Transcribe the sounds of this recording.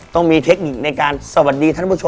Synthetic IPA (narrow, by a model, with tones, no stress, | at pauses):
t̪ɔ˥˩ŋmiː˧t̪ʰe˦˥k̚ni˨˩k̚na˧jkaː˧nsa˧˩wa˨˩t̪̚diː˧t̪ʰa˥˩npu˥˩˨o˧